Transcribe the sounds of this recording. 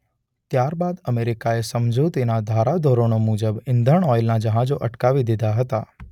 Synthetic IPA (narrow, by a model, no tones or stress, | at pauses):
t̪jaɾbad̪əmeɾikaesəmd͡ʒʱot̪inad̪ʱaɾad̪ʱoɾonomud͡ʒəbɪnd̪ʱəɳɔjlnad͡ʒəɦãd͡ʒoʔəʈkaʋid̪id̪ʱaɦət̪a